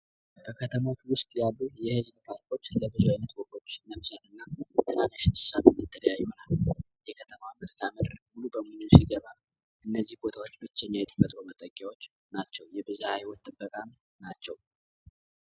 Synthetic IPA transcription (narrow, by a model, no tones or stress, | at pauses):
bəkʰət̪ʰəmo̞t͡ʃwʊst̪ʼjalːujɛhɨzbkʰaɾkʰo̞t͡ʃːləbɨzuajnət̪wofot͡ʃːnəmsat̪ʰɨnːat̪ʰɨnanaʃɪnsɨ̥sat̪mːɨt̪ʰːələjajːunal | jɛkʰət̪ʰəmamɨlkʰaməd̪mulubəmunɨsiɡəβa | ʔɨnːəzːihbo̞t̪ʰawo̞t͡ʃːbɨt͡ʃːɛɲːajɛt̪ʼɨbət̪ʼumət̪ʼəkʼjawo̞t͡ʃː | nat͡ʃːɛwjɛbɨzahajwɔt̪t̪ːʼɨbːəkʼam | nat͡ʃːɛw